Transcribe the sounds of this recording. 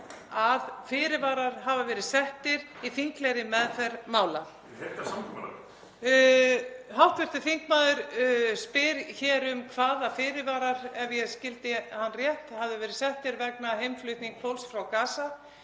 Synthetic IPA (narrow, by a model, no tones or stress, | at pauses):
aðfɪːɾɪvaːɾaɾ̥ɦavavɛːɾɪðsɛht̪ɪɾiθiŋklejɾɪmɛðθɛɾmaːwla | ɛt̪asammː | hawht̪vɛɾ̥t̪ɪθiŋk̚maːðʏɾ̥spɪɾçɛːɾʏmkʰvaːðafɪːɾɪvaːɾaɾɛvjɛɣscɪlt̪ɪhanːrjɛht̪havðɪvɛːɾɪðsɛht̪ɪɾvɛk̚naɦejmflʏht̪niŋkfʰowlsfɾawkaːsa